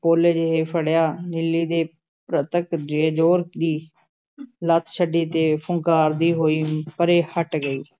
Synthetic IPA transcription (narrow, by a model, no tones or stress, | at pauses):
poːled͡ʒɪɦeːpʰəɽjaːnɪlːiːd̪eː | pɾət̪əkd͡ʒd͡ʒoːɾd̪iː | lət̪ʰʃʰəɖiːt̪eːpʰʊŋkaːɾd̪iːɦoːiːpəɾeːhəʈɡəiː